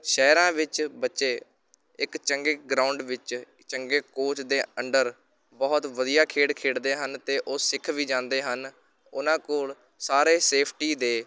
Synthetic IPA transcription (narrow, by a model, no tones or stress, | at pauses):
ʃɛːɾãːʋɪt͡ʃbətːʃeː | ɪkt͡ʃəŋɡeːɡɾaːʊɳɖʋɪt͡ʃ | t͡ʃəŋɡeːkoːt͡ʃd̪eːəɳɖəɾ | bɔːt̪ʋəd̪ijaːkʰeːɽkʰeːɽd̪eːɦənt̪eːʔoːsɪkʰʋiːd͡ʒãːnd̪eːɦən | ʊnãːkoːl | saːɾeːseːpʰʈiːd̪eː